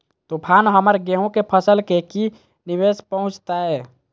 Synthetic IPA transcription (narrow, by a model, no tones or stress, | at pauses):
t̪upʰaːnɦəməɾɡeɦõkepʰəsəlkeki | nɪʋeːspəɦʊ̃t͡ʃt̪aɦɛː